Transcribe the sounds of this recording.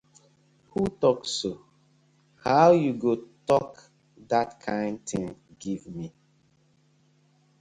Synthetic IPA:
hutɔkso | haʊjuɡotɔk | datkʰãɪ̃nd̚tɪ̃ŋɡivmi

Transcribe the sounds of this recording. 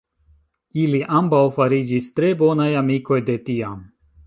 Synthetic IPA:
iliʔambawfaɾid͡ʒist̪ɾe̞bo̞najamiko̞jd̪e̞t̪iam

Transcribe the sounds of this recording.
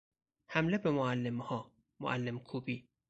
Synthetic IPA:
hæmlebemoalːemhɒː | mo̰ʔalːemkʰuːbiː

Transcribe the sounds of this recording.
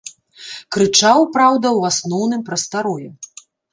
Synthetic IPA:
kɾɨt͡ʂawpɾawd̪ɐwasnɔwnɨmpɾɐst̪aɾɔjɛ

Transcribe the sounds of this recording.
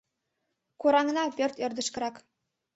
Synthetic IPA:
kuɾɑŋnɑpʲørʲt̪ɤ̆rd̪ɤ̆ʃk̆ɾɑk

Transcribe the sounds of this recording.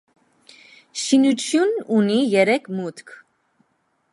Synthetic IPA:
ʃinut͡ʃʰjununijɛɾɛkʰmut̪kʰ

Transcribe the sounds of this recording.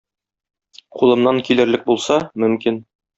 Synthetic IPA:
qʰulˠɤ̆mnɑŋkilɘ̆ɾlɘk̚bulˠsɑmɵ̆mkin

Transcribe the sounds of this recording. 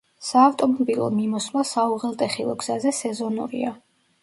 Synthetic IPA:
saːft̪ʼɔmɔbilˠɔ̰mimɔslasauʁɛlˠt̪ʼɛχilˠɔɡz̥azɛsɛzɔnṵɾḭa

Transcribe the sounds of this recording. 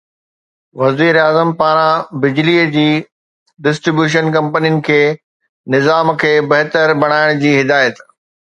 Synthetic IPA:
ʋɐziːɾaːzəmpaːɾãbɪd͡ʑliəd͡ʑiː | ɖɪsʈɾɪbjuːʃ̬ənkɐ̃mpəninɪ̆kʰeː | nɪzaːmkʰeːbɐɦt̪əɾbɐɽ̃aːɪɽ̃d͡ʑiːɦɪd̪aːjət̪

